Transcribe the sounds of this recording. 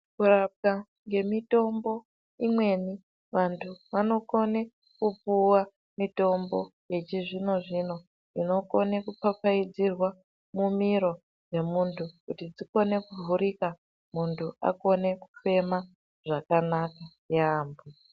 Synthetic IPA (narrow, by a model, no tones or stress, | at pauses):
kurap̚ɡa | ŋɡe̞mito̞mbo̞ | imwe̞ni | ʋantʰuʋano̞ko̞ne | kupuwa | mito̞mbo̞jet͡ʃiʐino̞ʐino̞ | ino̞ko̞nekupap͡faid͡zirwa | mumiɾo̞ | d͡ze̞muntʰukutid͡ziko̞ne̞kuvʱuɾika | muntʰua̰ko̞ne̞ku̥fe̞ma | ʐ̥akanaka | jaːmbu